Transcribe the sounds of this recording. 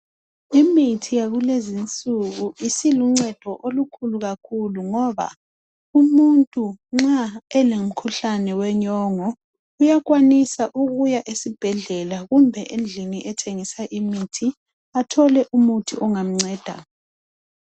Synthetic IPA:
imitʰijaɣulezint͡sʼuɣuʔisiluŋ͡ǀɛd̥ʱɔʔolukʰuluɣakʰuluŋɔβa̰ | umuntʼuŋ͡ǁaɛlem̩kʰuɬanɛwɛɲɔŋɔ | ujakwanisaʔuɣujaʔesib̥ʱɛɮɛlaɣumbʱɛʔend͡ɮʱiniʔɛtʰeŋisaʔimitʰi | atʰɔlɛʔumutʰiʔɔŋam̩ŋ͡ǀɛːd̥ʱa̰

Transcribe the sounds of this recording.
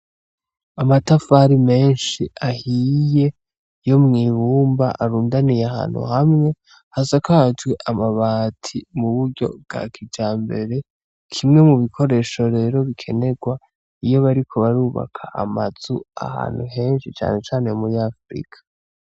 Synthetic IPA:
amatafaɾime̞ːnʃiahije̞ | jo̞mŋiːβuːmba̰ʔaɾuːndanijeaha̰ːn̥hṵhamŋe̞ | hasakad͡ʒwe̞ʔamaβaːtʰimuβuɾɟo̞̰bɡ̥a̰kʰid͡ʒaːmbe̞̰ɾe̞ | kʰimŋe̞muβikʰo̞ɾe̞ːʃo̞ɾe̞ːɾo̞βikʰe̞ne̞ɡwa | ijo̞βaɾikʰo̞βaɾuːβa̰kʰa̰ʔa̰maz̥ua̰ha̰ːn̥huɦe̞ːnʃit͡ʃa̰ːne̞t͡ʃaːne̞umuɾiafɾḭkʰḁ

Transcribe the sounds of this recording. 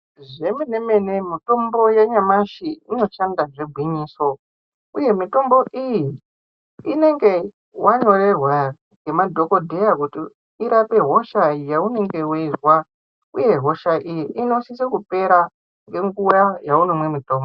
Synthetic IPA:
ʐe̞mene̞me̞ne̞mito̞mbo̞jaɲamaʃiino̞t͡ʃandaʐe̞bʱwiɲiːso̞ | uje̞mito̞mbo̞ʔiji | ine̞ŋɡe̞ | waɲo̞ɾe̞rwa | ŋɡe̞madʱo̞ko̞dʱe̞jakuti | iɾape̞ɦoʃaijaune̞ŋɡe̞werwa | uje̞ɦo̞ʃaʔijiʔino̞sisekupe̞ɾa | ŋɡe̞ŋɡujajaunomwe̞mito̞ːmbo

